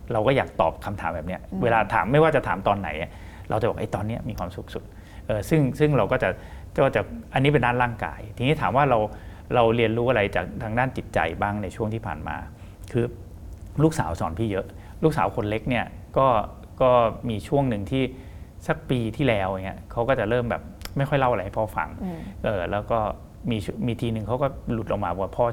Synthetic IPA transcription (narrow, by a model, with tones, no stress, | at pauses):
ɾa˧wkɔː˥˩jaː˨˩k̚t̪ɔ̰ː˨˩p̚kʰa˧mt̪ʰaː˩˦mbɛː˨˩p̚ni˦˥ɐweː˧laː˧t̪ʰa̰ː˩˦mːa˥˩jwaː˥˩t͡ɕa˨˩t̪ʰaː˩˦mt̪ɔː˧nːa̰˩˦jʔa˥˩ | ɾa̰˧wt͡ɕa˨˩bɔː˨˩ʔa˧˩t̪ɔː˧nːi˦˥ɐmiː˧kʰwaː˧msu˨˩k̚su˨˩t̪̚ | ʔɤː˨˩sɯ˥˩ŋsɯ˥˩ŋɾa˧wkɔː˥˩t͡ɕa˨˩ | kɔː˥˩t͡ɕa˨˩ʔa˧nːiː˦˥p̬e˧ndaː˥˩nlaː˥˩ŋka̰ː˧jt̪ʰiː˧ŋni˦˥t̪ʰaː˩˦mwaː˥˩ɾa˧w | ɾa˧wɾi˧ənɾuː˦˥ʔa˧ɾa˧jt͡ɕa̰ː˨˩k̚t̪ʰaː˧ŋdaː˥˩nt͡ɕi˨˩t̪̚t͡ɕa̰˧jbaː˥˩ŋna˧jt͡ɕʰu˥˩əŋt̪ʰiː˥˩pʰa̰ː˨˩nma̰ː˧ | kʰɯː˧ | luː˥˩k̚sa̰ː˩˦wsɔː˩˦npʰiː˥˩jɤ˦˥ʔ | luː˥˩k̚saː˩˦wkʰo˧nle˦˥k̚ni˥˩ɐ | kɔː˥˩ | kɔː˥˩miː˧t͡ɕʰu˥˩əŋnɯ˨˩ŋt̪ʰiː˥˩ | sa˧˥k̚piː˧t̪ʰiː˥˩lɛː˦˥wʔa˨˩ŋi˦˥ɐkʰa˦˥wkɔː˥˩t͡ɕa˨˩ɾɤː˥˩mbɛ̰ː˨˩p̚ma˥˩jxɔ˥˩jla˥˩wʔa˧jha˥˩pʰɔː˧˥˩fa̰˧ŋʔɤː˨˩lɛː˦˥wkɔː˥˩ | miː˧t͡ɕmiː˧t̪ʰiː˧nɯ˨˩ŋkʰa˦˥wkɔː˥˩lu˨˩t̪̚ʔa˧ŋmaː˧˩˨a˧˩pʰɔː˥˩